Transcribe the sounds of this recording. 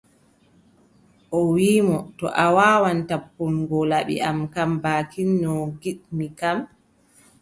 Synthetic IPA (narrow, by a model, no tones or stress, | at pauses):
ʔɔwiːmɔtɔ̰ʔawaːwantapːunɡɔlaɓḭʔamkambaːkʰinːɔɡiɗmikam